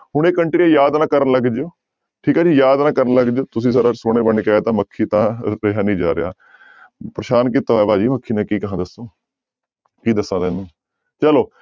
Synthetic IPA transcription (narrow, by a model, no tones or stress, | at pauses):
ɦʊɳ̃eːkːəɳʈɾiːãːjaːd̪nãːkəɾənləɡd͡ʒeoː | ʈʰiːkaːd͡ʒiːjaːd̪nãːkəɾənləɡd͡ʒoːt̪ʊsĩːsəɾaːsoːɽ̃eːbəɳkɛːt̪ãːməkʰːiːt̪ãːɾeɦaːnĩːd͡ʒa̰ːɾɪ̰ja̰ː | pɾəʃaːnkit̪aːɛːbaːd͡ʒiːməkʰːiːnãːkiːkəɦãːd̪əsːoː | kiːd̪əsːãːd̪eːnũː | t͡ʃəloː